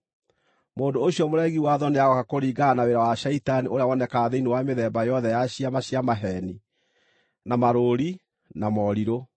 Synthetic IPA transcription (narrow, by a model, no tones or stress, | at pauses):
moːndooɕiɔmoɾɛɣiwaðɔneaɣɔkakoɾiːɡanaweɾawaʃɛitaniʔoɾeawɔnɛkaðeiniwameðɛːbajɔðɛjaɕiamaɕiamaɦɛni | namaɾoɾi | namɔɾiɾo